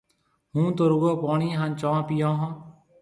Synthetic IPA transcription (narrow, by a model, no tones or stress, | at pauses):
ɦũːt̪oːɾʊɡoːpɔːɳiːɦãnt͡ʃɔ̃ːpijãːɦɔ̃ː